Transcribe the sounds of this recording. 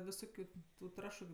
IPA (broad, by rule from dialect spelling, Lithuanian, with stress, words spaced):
ʋʲɪˈsoːkʲʊ tʊ ˈtrɑːʃʊ